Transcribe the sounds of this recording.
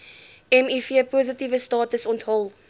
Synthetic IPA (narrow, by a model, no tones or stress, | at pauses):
ɛmifiəpozətivəstɑːtəsɔntɦɔlˠ